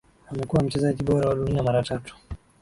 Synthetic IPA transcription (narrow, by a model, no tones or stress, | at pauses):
amɛkuwam̩t͡ʃɛzaʄiɓɔɾawaɗuniamaɾatatu̥